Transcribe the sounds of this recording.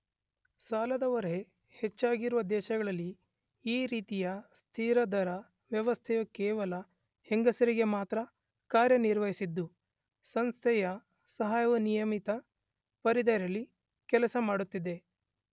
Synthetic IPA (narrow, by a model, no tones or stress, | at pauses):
saːlɐd̪ɐʋɐɾe | het͡ʃːaːɡiɾuʋɐd̪ɛːʃɐɡɐɭɐlːi | iːɾiːt̪ijɐst̪ʰiːɾɐd̪ɐɾɐ | ʋjɐʋɐst̪ʰɛjukɛːʋɐlɐ | heŋɡɐsɐɾiɡe̞maːt̪ɾɐ | kaːɾjɐniɾʋɐɦisid̪ːu | sɐnst̪ʰɛjɐ | sɐɦaːjɐʋunijɐmit̪ɐ | pɐɾid̪ɐɾɐlːi | kɛlɐsɐmaːɽut̪ːid̪e̞